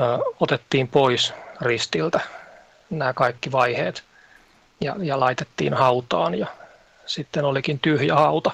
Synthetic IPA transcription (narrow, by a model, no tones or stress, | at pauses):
ot̪et̪ːiːmpoisrist̪ilt̪æ | næːkɑikːiʋɑiheːt̪ | jɑ̰jɑlɑit̪et̪ːḭːnhɑut̪ɑːnjɑ | sit̪ːenolikint̪yhjɑhɑut̪ɑ